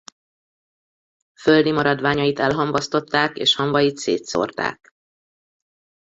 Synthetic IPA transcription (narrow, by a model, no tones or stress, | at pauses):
føld̪imɒɾɒd̪vaːɲɒjit̪ɛlɦɒɱvɒst̪o̞t̪ːaːkḛːʃhɒɱvɒjit̪sḛːt̪so̰rt̪a̰ːk̚